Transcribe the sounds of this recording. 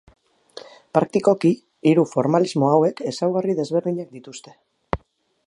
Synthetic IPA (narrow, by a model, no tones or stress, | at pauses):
pɾak̚t̪iko̞kiː | ɾufo̞ɾmalizmo̞awe̞ke̞sawɣ̞ariðe̞zβe̞ɾðiɲak̚d̪it̪ust̪e̞